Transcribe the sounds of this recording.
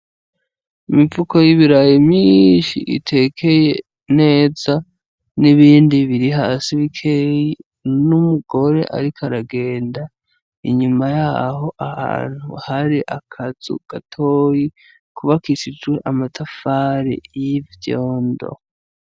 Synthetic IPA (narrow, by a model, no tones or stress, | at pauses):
imivuko̞jiβiɾajimɲinʃḭʔḭtʰe̞kʰe̞je | ne̞ːza | niβiːndiβiɾiɦaːsiβikʰeji | numuɡ̥o̞ɾe̞̰ʔa̰ɾikaɾaɡe̞ːnda | iɲumajaːho̞ʔaha̰ːn̥huhaɾiʔakʰazṵɡ̥atʰoːji | kuβakisid͡ʒwe̞ʔamatʰafaɾḛjivjoːndo̰